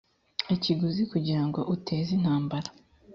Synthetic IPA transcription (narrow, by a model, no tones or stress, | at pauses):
eciɡuzikuɟiɾaŋɡo̞ʔutʰe̞ːzin̥haːmbaɾa